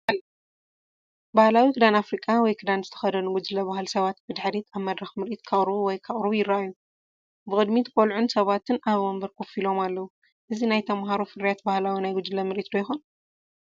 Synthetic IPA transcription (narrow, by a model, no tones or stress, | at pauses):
l | bahlawikʰɨd̪anafɾikʼːawɔjkʰɨd̪anzɨt̪ʰɐ̥xɐd̪ɐnuɡud͡ʒɨlɐβahɨlsɐβat̪̚bɨd̪ħɾit̪ʰaβmɐd̪ɾɐxmɨɾʔit̪kʰaχʼɾuwɔjkʰaχʼɾujɪɾːaajːu | bɨχʼɨd̪mit̪ʰɨkʼolʕunsɐβat̪ʰɨnʔaβɐmbɐɾkʰofilo̞malːɐwu | ʔɨzinajt̪ʰɐmɦaɾufɨɾijat̪̚bahlawinajɡʊd͡ʒɨlɐmɨɾʔit̪d̪ojxon